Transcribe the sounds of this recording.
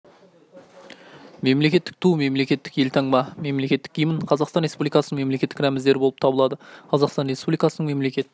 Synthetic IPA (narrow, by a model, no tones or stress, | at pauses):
me̞mlekʲe̞t̪ːɪk̚t̪ʰuwme̞mle̞kʲe̞t̪ːɪkje̞lt̪ʰɑɴmɑme̞mle̞kʲe̞t̪ːɪk̚ʲijməɴqʰɑzɑqst̪ɑnre̞spublijkɑsənəŋme̞mle̞kʲe̞t̪ːɪ̥kɾæmɪzd̪e̞ɾɪbo̞lˠəp̚t̪ʰɑbəlˠɑd̪əqʰɑzɑqst̪ɑnre̞spublijkɑsənəɴme̞mle̞kʲe̞t̪ɪ